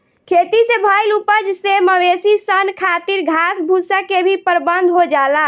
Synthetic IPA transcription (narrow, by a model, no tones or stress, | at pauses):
kʰet̪isebʱəjlupəd͡ʒseməʋesisənkʰat̪iɾɡʱasbʱusəkebʱipəɾbənd̪ʱɦod͡ʒala